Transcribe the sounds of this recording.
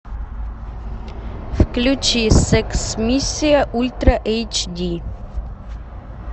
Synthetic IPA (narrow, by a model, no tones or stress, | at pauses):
fklʲut͡ʃisɛksmisʲːijɐʔulʲt̪ɾɐʔɛjt͡ʃd̪ʲi